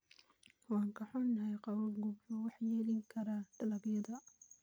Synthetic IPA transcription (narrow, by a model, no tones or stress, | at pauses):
wɑːŋkʰɐħɔnːɐɦɛjqɑwlɡʊbuwɑħjɛːlɪŋkʰɐɾaɖ̥ɐlɐɡjɐðɐ